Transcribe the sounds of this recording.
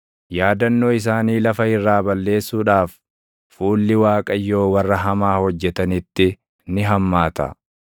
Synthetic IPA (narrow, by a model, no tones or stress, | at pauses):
jaːd̪ɐnːo̞ːɪs̬aːniːlɐfɐɪrːaːbɐlːe̞ːsːuːᶑaːfː | uːlːɪwaːkʼɐjːo̞ːwɐrːɐɦɐmaːhɔd͡ʒːɛt̪ɐnɪt̪ːɪ | nɪɦɐmːaːt̪ɐ̰